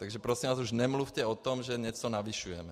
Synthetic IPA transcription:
t̪aɡʒɛpɾɔsimʋaːzuʒnɛmlufcɛɔt̪ɔmʒɛɲɛt͡sɔnaʋiʃujɛmɛ

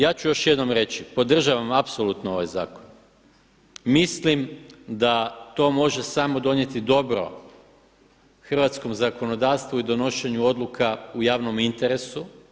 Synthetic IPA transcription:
jaːt͡ɕujo̞ʃjed̪no̞mɾe̞t͡ɕipo̞d̪r̩ʒaʋamapsolut̪noo̞ʋajzaːkon | mislimd̪at̪o̞ːmo̞ʒe̞samo̞d̪o̞ɲje̞t̪id̪o̞bɾo̞̰ | xr̩ʋat̪sko̞mzako̞no̞d̪aːʋst̪ʋuid̪o̞no̞ʃe̞ɲuo̞d̪lukʰaujaːʋno̞mint̪e̞ɾesu

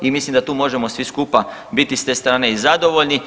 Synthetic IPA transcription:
imislimd̪at̪uːmo̞ʒemo̞sʋiskuːpa | bit̪ist̪eːst̪ɾaːne̞izad̪o̞ʋo̞ʎni

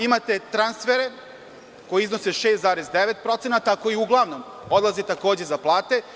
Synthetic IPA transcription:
imat̪et̪ɾansfeɾe | ko̞jiizno̞seʃeːst̪zaːɾezd̪eʋet̪̚pɾo̞t̪senat̪akoiuɡlˠaʋno̞m | o̞d̪lˠazit̪ako̞ːd͡ʑezaplˠaːt̪e̞

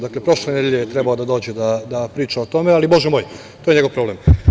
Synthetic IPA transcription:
d̪aklepɾo̞ʃlenejeʎejet̪ɾebaod̪ad̪o̞ːd͡ʑed̪ad̪apɾiːt͡ʃaot̪o̞mealibo̞ʒɛmoːj | t̪ojeɲe̞ɡo̞ʋpɾo̞blem

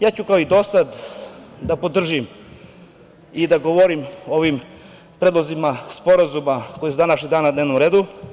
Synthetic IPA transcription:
jaːt͡ɕukaoid̪o̞sad̪d̪apo̞d̪r̩ʒim | id̪aɡoʋoɾimo̞ʋim | pɾed̪lˠozimaspo̞ɾazumako̞jesud̪anaʃlʲid̪aːnnad̪neʋnomɾe̞ːd̪u

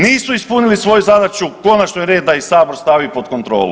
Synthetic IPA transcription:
niːsuispunilisʋo̞juzad̪at͡ʃuko̞nat͡ʃnojɾe̞ːd̪̚ːajisaːboɾst̪aʋipo̞t̪ko̞nt̪ɾo̞̰ːlṵ

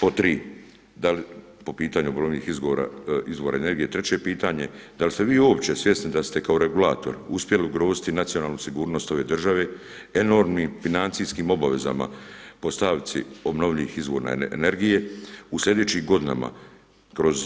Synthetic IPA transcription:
pot̪ɾiː | d̪ali | po̞piːt̪aɲuobno̞ʋʎʲiːxizɡoɾa̰izʋo̞ːɾa̰ene̞ɾɡije̞t̪ɾe̞t͡ɕe̞piːt̪aɲe̞d̪alist̪eʋiːoːpt͡ɕe̞sʋje̞snid̪ast̪e̞kao̞ɾe̞ɡulaːt̪o̞̰ɾuspje̞liuɡɾo̞ːzi̥t̪inat̪sijo̞naːlˠnusiɡuːɾno̞ːst̪o̞ʋe̞ːd̪r̩ʒaʋe̞ː | e̞no̞ɾmniːmfinant̪sijskiːmo̞baʋe̞za̰ma̰po̞st̪aʋit̪sʰḭo̞bno̞ʋʎʲiiːxizʋo̞ːɾna̰ne̞ɾɡije̞uslʎʲe̞d̪et͡ɕiːmɡo̞d̪ina̰ma̰ | kɾo̞z

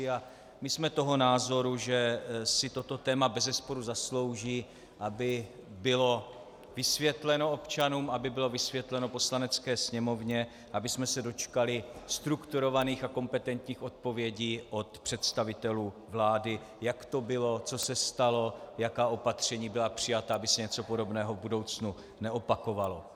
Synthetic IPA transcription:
a | mɪsmɛt̪o̞ɦo̞naːzo̞ɾuʒɛsɪt̪o̞t̪o̞t̪ɛːmabɛzɛspo̞ɾuzaslo̞wʒiː | ʔabɪbɪlo̞ | vɪsvjɛt̪lɛno̞o̞pt͡ʃanuːmabɪbɪlo̞vɪsvjɛt̪lɛno̞po̞slanɛt͡skɛːsɲɛmo̞vɲɛ | ʔabɪsmɛsɛdo̞t͡ʃkalɪst̪ɾukt̪uɾo̞vaniːxako̞mpɛt̪ɛnt̪ɲiːxo̞t̪̚po̞vjɛɟiːʔo̞t̪pr̥ɛt̪st̪avɪt̪ɛluː | vlaːdɪ | jakt̪o̞bɪlo̞t͡so̞sɛst̪alo̞jakaːʔo̞pat̪r̝̥ɛɲiːbɪlapr̝̥ɪjat̪aabɪsɛɲɛt͡so̞po̞do̞bnɛːɦo̞vbudo̞wt͡snu | nɛʔo̞pako̞valo̞

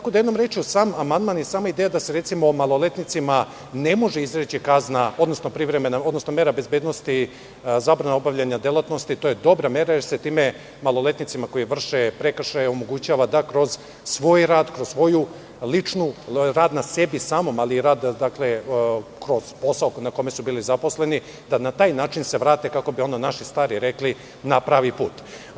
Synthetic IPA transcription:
t̪akod̪ajed̪nomɾeːt͡ʃiusaːmamand̪manjesaːmaid̪eːjad̪ase̞ɾe̞t̪simoːmalˠo̞le̞t̪nit̪sima | ne̞mo̞ʒeizɾet͡ɕikaznao̞d̪no̞sno̞pɾiʋɾemenaod̪no̞sno̞meɾabe̞zbeːd̪no̞st̪i | zaːbɾanao̞bavʋʎaɲad̪elˠat̪no̞st̪it̪ojed̪o̞bɾame̞ɾajeɾse̞t̪iːme̞ | malˠo̞le̞t̪nit̪simako̞jiʋr̩ʃepɾekr̩ʃajomo̞ɡut͡ɕaːʋad̪akɾo̞z̥ | sʋo̞ːjɾaːd̪kɾo̞zsʋo̞ju | lit͡ʃnuɾaːd̪nase̞bisaːmo̞maliːɾaːd̪d̪akle̞kɾo̞z̥po̞saokunako̞me̞subiːlizapo̞sle̞ni | d̪anat̪aːjnaːt͡ʃinse̞ʋɾaːt̪ekako̞bio̞nonaʃist̪aːɾiɾe̞kli | napɾaːʋipuːt̪

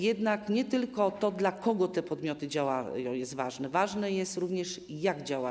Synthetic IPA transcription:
jɛd̪nakɲɛt̪ɘlkɔt̪ɔd̪lakɔɡɔt̪ɛpɔd̪mʲjɔt̪ɘd͡ʑawajɔ̃jɛst̪vaʐnɛvaʐnɛjɛst̪ɾuvɲɛʂjaɡd͡ʑawa

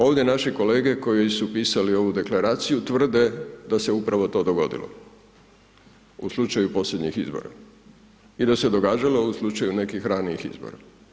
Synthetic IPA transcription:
o̞ːʋd̪ʲje̞naʃiko̞le̞ːɡe̞ko̞jojsupiːsalio̞ʋud̪e̞klaɾaːt̪sijut̪ʋr̩d̪e̞d̪ase̞upɾaʋo̞t̪o̞ːd̪o̞ɡo̞d̪ḭlo̰ | uslˠut͡ʃajupo̞sʎe̞d̪ɲixizbo̰ɾa̰ | id̪ase̞d̪o̞ɡaːd͡ʒalo̞uslˠut͡ʃajune̞kixɾaːniixḭzbo̰ɾa

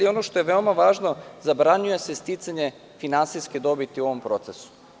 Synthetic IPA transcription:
io̞noʃt̪o̞je̞ʋeomaʋaːʒno̞zabɾaɲuje̞sest̪it̪saɲe̞ | finansijsked̪o̞bit̪iuo̞ʋompɾo̞t̪sesu̥

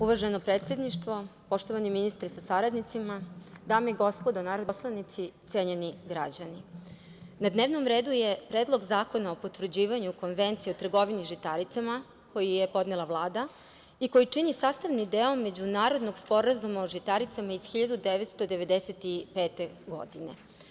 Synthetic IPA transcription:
uʋrʒenopɾeːt̪sʲje̞d̪niʃt̪ʋo̞po̞ʃt̪oʋaniminist̪ɾesasaɾad̪nit̪simad̪aːmeɡo̞spo̞d̪onaːɾod̪slˠanit̪sit̪sʲjeːɲeniɡɾa̰d͡ʑani | nad̪neʋno̞mɾe̞ːd̪uje̞pɾed̪lˠo̞ɡzaːko̞naopo̞t̪ʋr̩d͡ʑiːʋaɲuko̞nʋe̞nt̪siot̪r̩ɡo̞ʋiniʒit̪aɾit̪sama | ko̞jijepo̞d̪nelˠaʋlˠaːd̪a | iko̞jit͡ʂinisaːst̪aʋnid̪eomːe̞d͡ʑunaːɾo̞d̪no̞ɡspo̞ɾazumaoʒit̪aɾit̪samaiz̥xiʎad̪ud̪eʋet̪st̪od̪e̞ʋe̞d̪eset̪ipe̞ːt̪e̞ɡo̞̰d̪inḛ

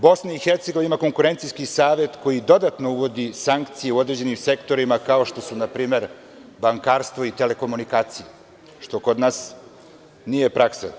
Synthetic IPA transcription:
bo̞snaixeɾt̪seɡo̞ʋaimako̞ŋkuɾe̞nt̪sijskisaːʋe̞t̪ko̞jid̪o̞d̪at̪no̞uʋo̞d̪isaŋkt̪sije̞uo̞d̪ɾe̞d͡ʑe̞nimse̞kt̪o̞ɾimakao̞ʃt̪o̞sunapɾiːme̞ɾ | baŋkaːɾst̪ʋoit̪e̞le̞ko̞munikaːt̪sije | ʃt̪o̞ko̞d̪naːs | nije̞pɾaksa̰

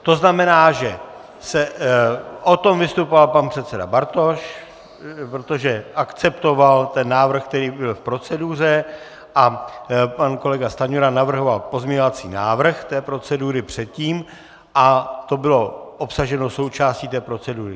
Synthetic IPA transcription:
t̪o̞znamɛnaːʒɛ | sɛ | ʔo̞t̪o̞mvɪst̪upo̞valpanpr̥ɛt̪t͡sɛda̰baɾt̪o̞ʃ | pɾot̪o̞ʒɛʔakt͡sɛpt̪o̞valt̪ɛnːaːvr̩xk̚t̪ɛɾiːbɪlfpɾo̞t͡sɛduːr̝ɛ | ʔapanko̞lɛɡast̪aɲuɾanavr̩ɦo̞valpo̞zmɲɛɲovat͡sḭːnaːvr̩xt̪ɛːpɾo̞t͡sɛduːɾɪpr̝̥ɛt̪̚ciːm | ʔat̪o̞bɪlo̞ʔopsaʒɛno̞so̞wt͡ʃaːsciːt̪ɛːpɾo̞t͡sɛduːɾɪ

